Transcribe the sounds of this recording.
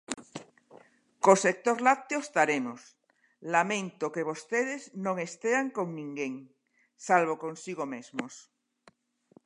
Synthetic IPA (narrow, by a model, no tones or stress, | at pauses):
kosek̚t̪oɾlat̪eost̪aɾemos | lamẽnt̪okeβ̞ost̪eð̞eznõŋest̪eaŋkoŋnĩŋɡeŋ | salβ̞okonsiɣomezmos